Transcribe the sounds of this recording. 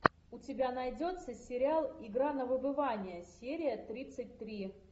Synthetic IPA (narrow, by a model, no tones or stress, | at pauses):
ʊtʲɪbʲanɐjdʲo̞t̪səsʲɪɾʲɪalˠɪɡɾanəvɨbɨvanʲɪjəsʲeɾʲɪjət̪ɾʲit̪sɨt̚ʲt̪ɾʲi